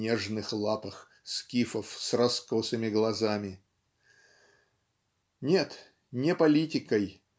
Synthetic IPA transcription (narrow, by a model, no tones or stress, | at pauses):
eʐnɨxlˠapəx | skʲifəfsrɐskosɨmʲɪɡlˠɐzamʲɪ | nʲe̞t̪ | nʲɪpɐlʲitʲɪkəj